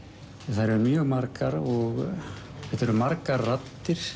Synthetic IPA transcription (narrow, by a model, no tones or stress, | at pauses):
θaðɾɛɾmjœɣmaɾkaɾɔɣ | fɛt̪ɛɾʏmaɾkaɾːat̪ːɪɾ̥